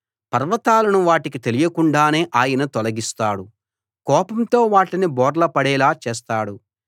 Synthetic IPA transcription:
pɐɾʋɐt̪aːlɐnuʋaːʈikit̪elijɐkuɳɖaːne̞ːʔaːjɐnɐt̪ɔlɐɡist̪aːɽu | kɔːpɐmt̪o̞ːʋaːʈinibɔːɾlɐpɐɽɛːlaːt͡ʃɛːst̪aːɽu

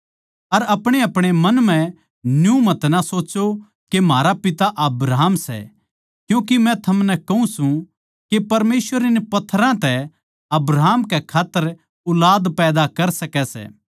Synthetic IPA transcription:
ɐɾɐpɽ̃eɐpɽ̃emɐnmɛ̃ | njũmɐt̪nasoːt͡ʃo | kemaːɾapɪt̪aʔɐbɾaːmsɛ̰ | kjũːk̬imɛ̃t̪ʰɐmnɛ̃kɐũsũ | kepɐɾmeːsʋəɾɪnpɐt̪ʰːɾãt̪ɛ | ɐbɾaɦːmkɛkʰaːt̪ːəɾ | ʊlaːd̪pɛːd̪akɐɾsɐkɛsɛ̰ː

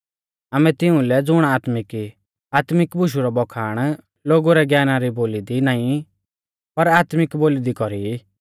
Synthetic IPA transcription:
amɛt̪ɪũlɛd͡zʊɽ̃aːt̪mɪki | aːt̪mɪkbʊʃ̬uɾɔbɔkʰaːɽ̃ | loːɡuɾɛɡjaːnaɾiboːlid̪inaːĩ | pɐɾaːt̪mɪkboːlid̪ikɔɾi

